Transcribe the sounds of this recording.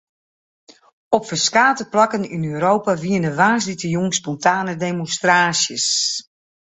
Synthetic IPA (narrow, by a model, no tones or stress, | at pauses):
ɔpfəskaːtəplakəninøːɾoːwpaʋiənəʋaːs̬ditəjuŋspɔntʰaːnədemonstraːsjəs